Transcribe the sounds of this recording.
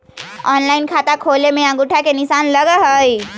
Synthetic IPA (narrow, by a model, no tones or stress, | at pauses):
ɔːnlaːɪnkʰaːt̪akʰoːlemẽãɡʊʈʰakenɪsaːnləɡaɦəi